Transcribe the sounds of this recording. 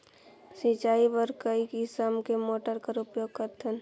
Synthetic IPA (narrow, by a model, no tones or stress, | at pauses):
sit͡ʃaːibəɾkəikɪsamkemoːʈəɾkəɾʊpjoːɡ̚kəɾt̪ʰən